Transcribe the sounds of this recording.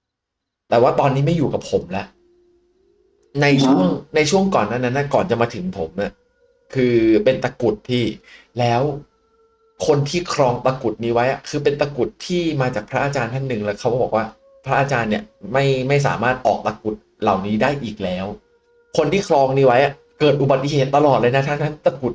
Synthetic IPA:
t̪ɛː˨˩waː˥˩t̪ɔː˧nːiː˦˥ma˥˩juː˨˩ka˨˩pʰo˩˦mlɛ˦˥ʔ | na˧jt͡ɕʰu˥˩əŋna˧jt͡ɕʰu˥˩əŋkɔː˨˩nːaː˥˩nːa˦˥nːʔa˦˥˩kɔː˨˩nt͡ɕa˨˩maː˧t̪ʰɯ˩˦ŋpʰo˩˦mʔa˨˩ʔ | kʰɯː˧pe˧nt̪a˧ku˨˩t̪̚pʰiː˥˩lɛː˦˥w | kʰo˧nt̪ʰiː˥˩kʰɾɔː˧ŋt̪a˧ku˨˩t̪̚niː˦˥wa˦˥jʔa˨˩kʰɯː˧p̬e˧nt̪a˧ku˨˩t̪ʰːiː˥˩maː˧t͡ɕaː˨˩k̚pʰɾa˦˥ʔaː˧t͡ɕaː˧nt̪ʰa˥˩nːɯ˨˩ŋlɛː˦˥wkʰa˦˥wbɔː˨˩k̚waː˥˩ | pʰɾa˦˥ʔaː˧t͡ɕaː˧nːi˨˩ma˥˩jma˥˩js̬a̰ː˩˦maː˥˩t̪̚ʔɔː˨˩k̚t̪a˧ku˨˩t̪̚la˨˩wniː˦˥daː˥˩jʔiː˨˩k̚lɛː˦˥w | kʰo˧nt̪ʰiː˥˩kʰɾɔː˧ŋniː˦˥wa˦˥jʔa˨˩ | kɤː˨˩t̪̚ʔu˨ba˨˩t̪ːi˨˩ɦeː˨˩t̪ːa˧lɔː˨˩t̪̚laː˧jna˦˥t̪ʰaː˥˩˨t̪ʰa˥˩nt̪a˧ku˨˩t̪̚

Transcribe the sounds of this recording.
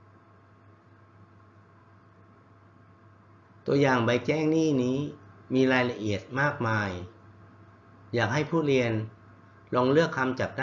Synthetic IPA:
t̪u˧əjaː˨˩ŋba˧jt͡ɕɛː˥˩ŋniː˥˩niː˦˥miː˧ɾaː˧jla˧ʔi˨˩ət̪̚maː˥˩k̚maː˧j | jaː˨˩k̚ha˥˩jpʰuː˥˩ɾi˧ən | lɔː˧ŋlɯ˥˩əkʰːa˧mt͡ɕa˨˩k̚da˥

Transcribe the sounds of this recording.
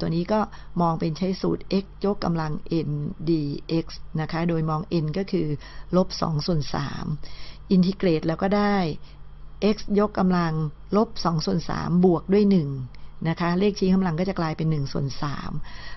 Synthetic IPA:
t̪u˧niː˦˥kɔː˥˩mɔː˧ŋpe˧nt͡ɕʰa˦˥jsṵ˨˩t̪̚ʔe˦˥k̚jo˦˥kːa̰˧mla˧ŋʔe˧ndiː˧ʔe˦˥k̚sna˦˥kʰa˦˥doː˧jmɔː˧ŋʔe˧nkɔː˥˩kʰɯː˧lo˦˥p̚sɔ̰ː˩˦ŋsu˨˩ənsa̰ː˩˦mʔi˧nt̪ʰi˧kleː˨˩t̪̚lɛː˦˥wkɔː˥˩daː˥˩jʔe˦˥k̚sjo˦˥kːa˧mla˧ŋ | lo˦˥p̚sɔ˩˦ŋsu˨˩ənsa̰ː˩˦mbu˨˩ək̚du˥˩əjnɯ˨˩ŋna˦˥kʰa˦˥leː˥˩k̚t͡ɕʰiː˦˥ŋʰa˧mla˧ŋkɔː˥˩t͡ɕa˨˩klaː˧jpe˧nːɯ˨˩ŋsu˨˩ənsa̰ː˩˦m

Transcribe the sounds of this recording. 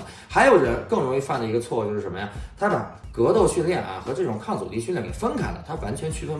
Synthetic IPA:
xa˧˥ɪjo˨˩ʊɻə˧˥nkɤ˥˩ŋɻʊ˧˥ŋi˧fa˥˩nd̪ə˩i˧˥ɡə˧t͡sʰwɔ˥˧t͡ɕjo˥˧ʂ̩˥˩ə˧˥mə˧ja˥˩t̪ʰa˥d̪ə˨˩kɤ˧˥t̪o˥˧ʊɕy˥˧nljɛ˥˩nʔɐ̰˩xɤ˧˥ʈ͡ʂɤ˥˩ʈ͡ʂʊ˨˩ŋkʰɑ˥˩ŋt͡sṵ˨˩t̪i˧˥ɕljɛ˥˩ŋkḭɛ˨˩fə˥nkʰa̰˨˩nlə̰˦t̪ʰa˥wa˧˥nt͡ɕʰɥɛ˧˥nt͡ɕʰy˥˧fə˥n˥

